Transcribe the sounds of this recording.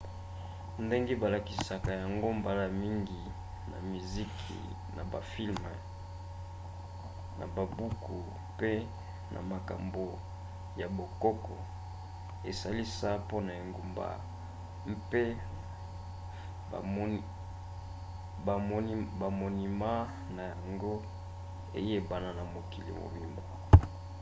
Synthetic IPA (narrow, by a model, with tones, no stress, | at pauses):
nde˦ŋɡe˦ba˨la˨ki˨sa˨ka˨ja˨ŋɡo˦mba˨la˦mi˦ŋɡi˨ | na̰˨mi˨zi˦kʰḭ˨ | nʔa̰˨ba˨fi˦lmɛ˨ | na̰˨ba˨bu˦kʰu˨ | pe˦ | nʔa̰˨ma˨ka̰˨mbo˨ | ja˨bo˨kɔ˦kɔ˨ | e˨sa˦li˦sa˦po˦na˨e˨ŋɡu˨mba̰˨ | m̩˦pe˦˨˦ | ba˨mo˨ni˨ma˦ | na˨ja˨ŋɡo˦ | ḛ˨je˦ba˦na˦na˨mo˨ki˨lḭ˨mo̰˨mi˦mbo˨